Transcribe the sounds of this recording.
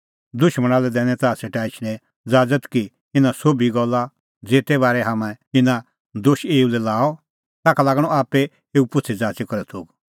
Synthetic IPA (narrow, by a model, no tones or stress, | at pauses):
d̪ʊʃməɽ̃aːlɛd̪ɛːñɛ̃t̪aːseʈaːɪt͡ʃʰɽ̃ɛ̃ | d͡zaːd͡zət̪ki | ɪnãsoːbiɡɔlːa | d͡zeːt̪ɛbaːɾɛɦaːmɛ̃ɪnã | d̪oːʃeːulɛlaːɔ | t̪aːkʰalaːɡɽ̃ɔaːpɛ | eːupʊt͡sʰɛd͡zaːt͡ʃɛkɔɾɛt̪ʰuːɡ